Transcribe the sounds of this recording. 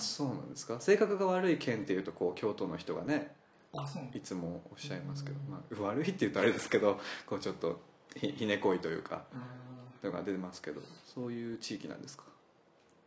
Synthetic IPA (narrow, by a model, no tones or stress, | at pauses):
so̞ːnã̰nd̪esɨ̥kase̞ːkakɯ̟ɡaβaɾɯ̟ikʰẽ̞nt̪ːe̞jɯ̟ːt̪o̞ko̞ːkʲo̞ːt̪o̞no̞çʲi̥t̪o̞ɡa̰ne̞ | it͡sɨmo̞oɕːaimasɨ̥ke̞d̪omaɯβaɾɯ̟it̪ːe̞jɯ̟t̪oaɾe̞d̪e̞sɨ̥ke̞d̪o̞ko̞ːt͡ɕo̞t̪ːo̞̰ | çiçine̞ko̞it̪o̞jɯ̟̰ːkʰa̰ | t̪oɡa̰d̪e̞t̪e̞masɨ̥ke̞d̪o̞̰so̞ːjɯ̟ːt͡ɕiːkʲinã̰nd̪e̞sɨ̥kḁ